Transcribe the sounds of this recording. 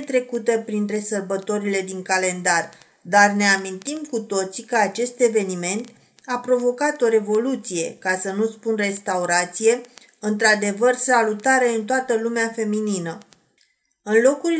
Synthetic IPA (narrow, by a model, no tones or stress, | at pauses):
t̪ɾe̞kut̪epɾint̪ɾe̞sərbət̪o̞ɾile̞d̪iŋkale̞nd̪ar | d̪arne̞amint̪imkut̪o̞t̪sikəat͡ʃe̞st̪e̞ve̞nime̞nt̪ | apɾo̞vo̞kat̪o̞ɾe̞vo̞lut̪sije̞kasənuspunre̞st̪auɾat̪sije̞ | ɨnt̪ɾad̪e̞vərsalut̪aɾe̞ɨnt̪oat̪əlumeafe̞mininə | ɨnlo̞ku